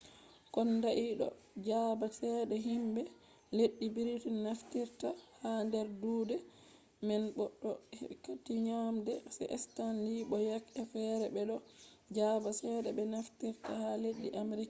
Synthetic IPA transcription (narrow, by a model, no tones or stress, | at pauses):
kɔndaʔiɗɔ̰ | d͡ʒabasɛɗɛɦimbɛ | leɗːibiɾitinaftiɾtahandɛɾduːdɛ | mɛnɓɔɗːɔhkatiɲamdɛsɛ̰ʔɛstanliɓɔjakɛfɛɾɛbɛɗɔ | d͡ʒabasɛɗɛbɛnaftiɾtahaleɗːiʔamɾika